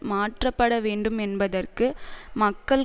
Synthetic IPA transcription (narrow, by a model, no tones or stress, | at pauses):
maːʈrɐpːɐɽɐʋeːɳɖɯmɛnbɐðɐrkɯmɐkːɐɭ